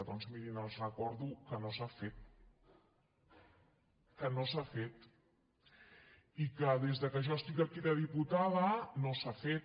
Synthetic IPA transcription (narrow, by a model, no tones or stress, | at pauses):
əðɔnzmiɾinəlˠzrəkɔɾðukənosafet̪̚ | kənosafet̪ | ikəðezðəkəʒɔəst̪ikəkiðəðiput̪aðənosafet̪